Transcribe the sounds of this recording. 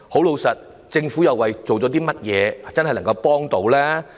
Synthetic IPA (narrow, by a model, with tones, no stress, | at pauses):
ho˨˥wlo˨˧wsɐ˨t̚ | t͡sɪ˧ŋfuː˨˥jɐ˨wɐ˨jt͡so˨wt͡sɔ˨˥t̪iː˥mɐ˥t̚jɛː˨˧t͡sɐ˥nhjlɐ˨˩ŋkɐ˧wpɔː˥ŋt̪o˨wlɛː˥